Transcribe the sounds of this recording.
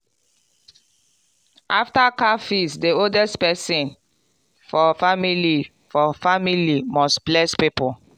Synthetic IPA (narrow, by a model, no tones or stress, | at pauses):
ʔaftakafisdioldɛstpɛsĩn | fɔfamili | fɔfamilimɔstblɛspipɔ